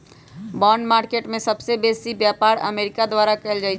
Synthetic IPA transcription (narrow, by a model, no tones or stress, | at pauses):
bɔɳɖmaɾkeʈmẽsəbsebesibjapaɾə̰meɾikad̪waɾakɛld͡ʒaɪt͡ʃ